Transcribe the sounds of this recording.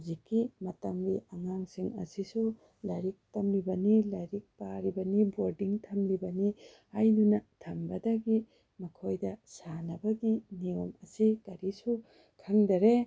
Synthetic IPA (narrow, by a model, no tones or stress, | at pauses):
zikːimɐtɐmbiɐŋaŋsiŋɐ̰sisu | lajɾik̚tɐmlibɐnilajɾik̚paɾibɐniboɾdiŋtʰɐmlibɐni | ajnunɐtʰɐmbɐdɐɡi | mɐkʰojdɐsanɐbɐɡiniomɐsikɐɾisu | kʰaŋdɐɾe